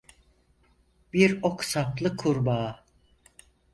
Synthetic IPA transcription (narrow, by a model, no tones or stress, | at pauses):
b̥iɾoksaplˠɯkʰuɾbaː